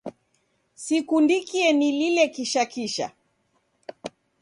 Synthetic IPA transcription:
sikundikiɛnililɛkiʃakiʃa̰

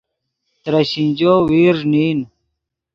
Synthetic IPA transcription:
t̪ɾɐɕind͡ʑoːwiːɾniːn

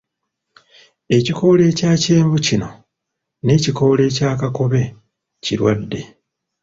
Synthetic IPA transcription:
e̞ciko̞ːle̞ːcaːceːɱvucino̞ | ne̞ːciko̞le̞ːcaːkako̞βe̞ | ciɾwadːe̞

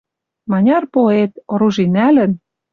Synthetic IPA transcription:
mɑnʲɑrpoet̪̚oɾuʒinælə̆n

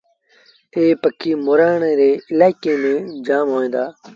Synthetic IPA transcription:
eːpəkʰːiːmoːɾaːɳeːɾeːɪlaːɪkeːmẽːd͡ʒaːmɦoːẽːnd̪aː

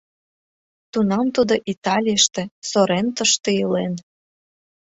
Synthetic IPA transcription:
t̪unɑmt̪ud̪oʔit̪ɑlʲijəʃt̪ĕsoɾent̪əʃt̪eilen

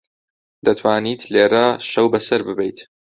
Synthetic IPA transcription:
d̪ɐt̪ʰwaːniːt̪ʰleːɾɐʃɐwbɐsɐɾbɨbɛjt̪

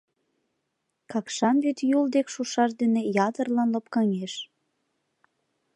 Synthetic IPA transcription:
kɑkʃɑnbyt̪juld̪ekʃuʃɑʃd̪enejɑt̪ərlɑnlɤp̚kɑŋeʃ

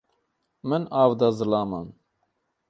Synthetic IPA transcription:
mɨnɑːvd̪azɨlɑːma̰n

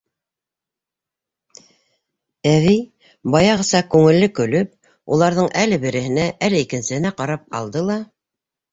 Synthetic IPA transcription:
æβij | bɑjɑʁɤ̆sɑkʉŋɘ̆lːɘkɵ̆lɵp̚ | ulˠɑɾðɤɴʔælɘbɘ̆ɾɘ̆hɘ̆næʔælɘikɘ̆nsɘ̆hɘ̆næqɑɾɑp̚ɑ̰lˠd̪ɤlˠɑ

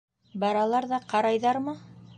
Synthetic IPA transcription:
bɑɾɑlˠɑɾðɑqɑɾɑjðɑɾmɤ

